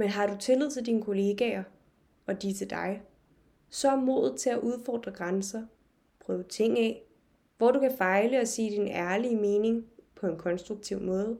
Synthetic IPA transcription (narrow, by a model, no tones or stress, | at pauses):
menɦɑ̈ɾut͡sʰe̝lið̰ˠt͡sʰeld̥iːnəkʰo̝le̝ːɡ̥ɛɐ | ɒ̽d̥it͡sʰe̝ld̥ɑ̈ɪ | sɒ̽mo̝ðˠð̩ˠt͡sʰe̝læʔuð̞ˠfɒ̰ːd̥ʁɐɡ̥ʁansɐ | pʰʁœːʊət͡sʰe̝ŋ̰ɛ̰ | ʋɒd̥ukʰæfɑ̈ɪləɒ̽se̝̰ːd̥inæɐlime̝ːne̝ŋpʰɒ̽e̝nkʰɒ̽nsd̥ʁuɡ̥̚t͡sʰiʊ̰mɔ̽ːð̞ˠ